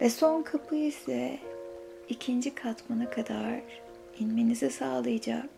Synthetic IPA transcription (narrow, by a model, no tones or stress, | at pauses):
vɛso̞nkʰapʰɯisɛ | icʰind͡ʒikʰat̪manakʰad̪aɾ | inmenizɛsaːlˠɯjad͡ʒa̰k̚